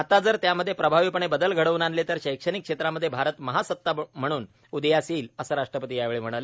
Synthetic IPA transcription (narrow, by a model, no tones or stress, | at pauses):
at̪ad͡zəɾt̪jaməd̪ʱːjepɾəbʱaʋipəɳ̃ebəd̪əlɡʱəɽəʋuːnanlet̪əɾɕəjkʂənikːʂet̪ɾaməd̪ʱːjebʱaɾət̪məɦasət̪ːam̤əɽ̃uːn | ud̪əjasiːləsəːɾaʂʈɾəpət̪̬ijaʋeɭem̤əɽale